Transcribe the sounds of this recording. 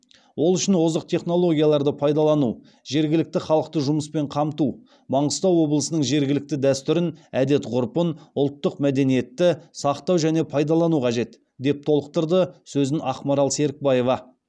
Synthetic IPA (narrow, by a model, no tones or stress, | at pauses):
wʔo̞lˠʏʃɪnwo̞zəqt̪ʰe̞χno̞lˠo̞ɡʲijɑlˠɑɾd̪əpʰɑjd̪ɑlˠɑnu | ʒe̞ɾɡʲɪlɪk̚t̪ɪχɑlˠəqt̪əʒʊməspe̞ɴqʰɑmt̪u | bɑɴəst̪ɑwːo̞blˠəsənəɴʒe̞ɾɡʲɪlɪk̚t̪ɪd̪æst̪ʏɾɪnæd̪e̞t̪ʁʊɾpənʊlˠt̪ːəqmæd̪e̞nije̞t̪ːɪsɑqt̪ɑwʒæne̞pʰɑjd̪ɑlˠɑnuqʰɑʒe̞t̪ | d̪e̞p̚t̪ʰo̞lˠəq̚t̪əɾd̪əsɵzɪnɑχqmɑɾɑlˠse̞ɾɪk̚bɑje̞vɑ